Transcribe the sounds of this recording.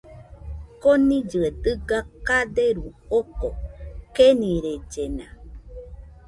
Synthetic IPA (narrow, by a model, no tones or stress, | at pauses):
konĩd͡ʒɨed̪ɨɡakad̪eɾuokokenĩɾed͡ʒenã̰